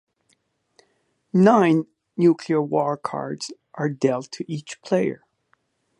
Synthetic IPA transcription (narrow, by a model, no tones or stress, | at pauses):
nãɪ̃nː | jukʰliə˞wɔɹkʰɑ̰ɹdz̥ | ʔə˞dɛlˠtʰɨʔit͡ʃpʰl̥eɪə̰˞